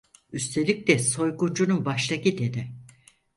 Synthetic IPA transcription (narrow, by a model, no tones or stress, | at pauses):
yst̪ʰe̞lʲic̚lɛso̞jɡund͡ʒununbaʃlˠakid̪enɪ